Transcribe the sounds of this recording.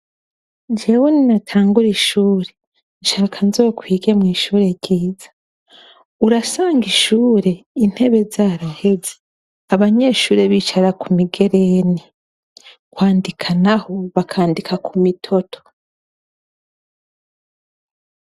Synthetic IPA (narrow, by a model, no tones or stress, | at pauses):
d͡ʒewuninatʰaːŋɡuɾiʃuːɾe̞ | nʃaːkʰanzo̞ːkwiːɡe̞mŋiːʃuːɾe̞ɾɟiːzḁ | uɾasaːŋɡiʃuːɾe̞in̥he̞βe̞zaːɾahe̞ze | aβaɲe̞ʃuːɾeβiːt͡ʃaɾakumiɡe̞ɾeni | kwaːndikʰanaho̞βakʰaːndikʰakʰumitʰo̞tʰo̥